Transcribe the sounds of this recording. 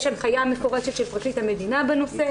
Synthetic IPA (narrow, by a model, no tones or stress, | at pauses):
ʃanχajamefoʁeʃet̪ʃelpʁat͡sit̪hamed̪inabeno̞se